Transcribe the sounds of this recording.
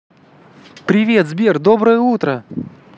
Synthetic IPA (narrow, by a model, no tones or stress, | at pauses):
pɾʲɪvʲe̞t̪zbʲerd̪obɾəjəut̪ɾə